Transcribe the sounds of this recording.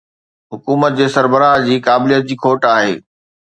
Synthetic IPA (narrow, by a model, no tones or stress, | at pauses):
ɦʊkuːmət̪̚d͡ʑeːsɐɾbəɾaːɦd͡ʑiːkaːbɪlijət̪̚d͡ʑiːkʰoːʈaːɦḛː